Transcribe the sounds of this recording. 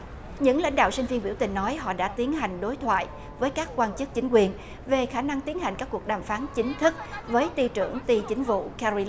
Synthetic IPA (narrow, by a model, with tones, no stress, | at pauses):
ɲɨ̰˧˥ŋla̰˧˥jŋ̟ɗa̰ː˧˨wsi˧ŋ̟vi˧ənɓḭ˧˩əwt̪ï˨˩ŋ̟nɔ˨˦jɦɔ̰˧˨ɗa̰ː˧˥t̪i˨˦ənɦa˨˩jŋ̟ɗo˨˦jt̪ʰwa̰ː˧˨j | vəː˨˦jkaː˦˥kkːwaː˧nt͡ɕɨ˦˥k̚t͡ɕï˨˦ŋ̟kwi˧ən | ve˨˩xaː˧˩na˧ŋt̪i˨˦ənɦa˨˩jŋ̟kaː˦˥kːu˨˩ək̚ɗaː˨˩mfaː˨˦nt͡ɕï˨˦ŋ̟t̪ʰɨ˦˥k̚vəː˨˦jt̪i˧t͡ɕɨ˧˩əŋt̪i˧t͡ɕï˨˦ŋ̟vṵ˧˨kɛ˧ɾi˧l